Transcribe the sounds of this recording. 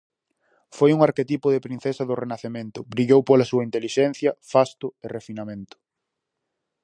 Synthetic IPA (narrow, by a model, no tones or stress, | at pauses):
fojuŋaɾket̪ipʊðɪpɾĩn̟θesɐðʊrenaθemẽnt̪ʊbɾiʎowpolɐsuɐint̪eliʃɛn̟θjɐfast̪ʊerefinamẽnt̪ʊ̥